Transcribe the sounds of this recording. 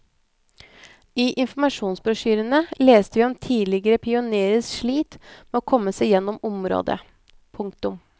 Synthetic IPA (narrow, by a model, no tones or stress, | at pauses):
iːʔɪnfɔmɑʂuːnsbɾʊʂyːɾənəleːst̪əʋiːɔmt̪ʰiːlɪɡəɾəpʰɪʊneːɾəsʂɭiːt̪mɛːoːkʰɔmːəsæɪjɛnːɔmʊmɾo̰ːd̪ə̰ | pʰʊŋkt̪ʊm